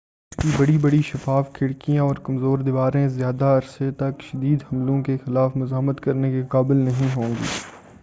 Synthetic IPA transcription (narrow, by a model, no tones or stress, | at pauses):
ɪskibɐɽibɐɽiʃɐfaːfkʰɪɽkijãɔːɾkɐmzoːɾd̪ɪʋaːɾẽzjaːd̪aɐɾset̪ɐkʃɐd̪iːd̪ɦɐmlõkexɪlaːfmʊzaːmət̪kɐɾnekeqaːbɪlnɐɦĩɦõːŋɡḭː